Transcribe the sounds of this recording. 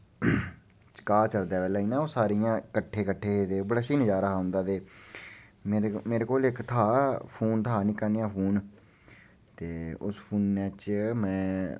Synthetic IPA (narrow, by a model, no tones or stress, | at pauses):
t͡ʃkaːt͡ʃəɾd̪ɛːbɛːlɛːiːnãːoːsaːɾiːjãːkəʈʰːeːkəʈʰːeːɦeːd̪eːoːbəɽaːʃiːnəd͡ʒaːɾaːɦʊ̃nd̪aːt̪eː | meːmeːɾeːkoːlɪkt̪ʰaːpʰuːnt̪ʰaːnɪkːaːniːãːpʰuːn | t̪eːʊ̰spʰuːnːɛːt͡ʃmɛ̃ː